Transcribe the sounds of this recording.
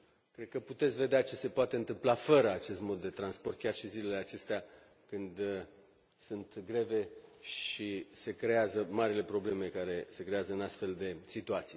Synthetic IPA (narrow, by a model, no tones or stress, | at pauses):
kɾe̞d̪̚kəput̪e̞t̪sʲve̞d̪eat͡ʃe̞se̞poat̪e̞ɨnt̪ɨmplafəɾəat͡ʃe̞st̪mo̞d̪ːe̞t̪ɾanspo̞rt̪̚kʲarʃizile̞leat͡ʃe̞st̪ea | kɨnd̪ | sunt̪ɡɾe̞ve̞ʃise̞kɾe̞azəmaɾile̞pɾo̞ble̞me̞kaɾe̞se̞kɾe̞azəɨnast̪fe̞ld̪e̞sit̪uat̪sij